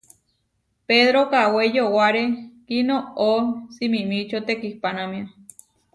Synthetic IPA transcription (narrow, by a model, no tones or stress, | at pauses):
peðɾokawejowaɾekinoosimimit͡ʃot̪ekihpanamĩa